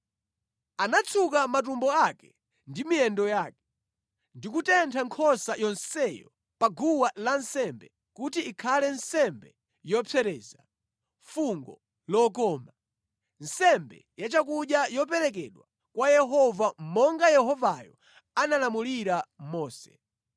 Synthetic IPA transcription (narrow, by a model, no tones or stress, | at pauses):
anat͡sʰukamat̬umbɔakɛ | ndimiɛndɔjaːkɛ̥ | ndikutɛntʰaŋkʰɔsajɔnsɛjɔ | paɡuwalansɛmbɛ | kutiːkʰalɛnsɛmbɛ | jɔpʰɛɾɛza | fuŋɡɔ̰ | lɔkɔːma | n̩sɛmbɛ̰jat͡ʃak̬uɗjajɔpɛɾɛk̬ɛɗwa | kwajɛɦɔvam̩mɔŋɡajɛɦɔvajɔ̰ | analamuliɾamɔːsɛ̥